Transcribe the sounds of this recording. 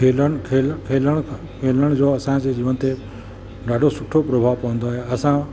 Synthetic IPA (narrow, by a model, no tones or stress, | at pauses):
eləɽkʰekʰeːləɽ̃ | kʰeːləɽ̃d͡ʑoɐsãd͡ʑed͡ʑiːʋənt̪e | ɖaːɖʱosʊʈʰopɾobʱaːʋpɐʋə̃nd̪oɦeɐsã